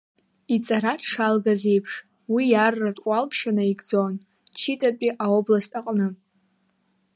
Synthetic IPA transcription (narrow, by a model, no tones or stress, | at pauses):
it͡sʼaɾatʰʂalɡaze̞jpʰʂ | wijarːatʷʼalpʰʃanaiɡd͡zo̞n | t͡ʃʰitʼapʼiʔaoblastʼaqʼnɨ